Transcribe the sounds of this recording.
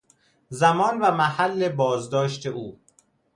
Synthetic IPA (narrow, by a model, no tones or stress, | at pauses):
zæmɒːnvæmæhælːe̞bɒːzd̪ɒːʃt̪ʰe̞ʔuː